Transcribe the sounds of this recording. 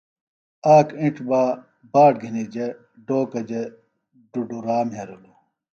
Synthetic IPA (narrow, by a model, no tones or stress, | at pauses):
aːkĩʈ͡ʂbaː | baːʈ̚ɡʱinid͡ʑe | ɖoːkɐd͡ʑe | ɖuɖuɾaːmɦeɾolu